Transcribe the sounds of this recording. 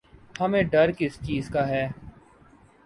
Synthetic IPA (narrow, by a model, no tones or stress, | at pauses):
hɐmẽːɖɐɾkɪst͡ʃiːzkaːɦɛː